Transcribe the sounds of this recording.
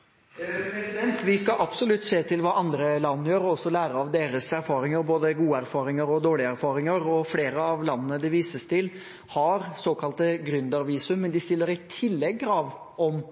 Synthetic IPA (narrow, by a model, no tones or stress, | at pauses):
pɾɛsɪd̪ɛnt̪ʋɪskɑʔɑbsɔlʉt̪ːseːt̪ʰɪlʋɑːʔɑnd̪ɾəlɑnːəjøːɾɔɔsːɔlæːɾəɑʋd̪eːɾəsæɾfɑːɾɪŋəɾboːd̪əɡuːəæɾfɑːɾɪŋəɾɔd̪oːɭɪæɾfɑːɾɪŋəɾɔfleːɾəɑʋlɑnːənəd̪ɪʋiːsəst̪ʰɪl | hɑɾsoːkʰɑlt̪əɡɾʉnd̪ɑɾʋiːsʉmːɛnd̪ɪst̪ɪlːəɾɪt̪ʰɪlːɛɡːɾɑːʋ | ɔm